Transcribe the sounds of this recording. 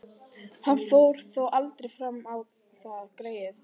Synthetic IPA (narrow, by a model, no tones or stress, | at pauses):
hanfoːwɾ̥θɔwʔalt̪ɾejfɾamːaw | θakɾeːjɪθ